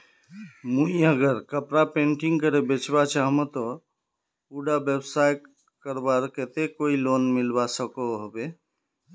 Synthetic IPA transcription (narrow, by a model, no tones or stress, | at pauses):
muiəɡəɾkəpɾapẽɳʈĩŋɡ̚kəɾebet͡ʃbat͡ʃaɦmət̪ɔ | uɖabebsajʈ | kəɾbaɾket̪ekoilonmilbasəkoɦobe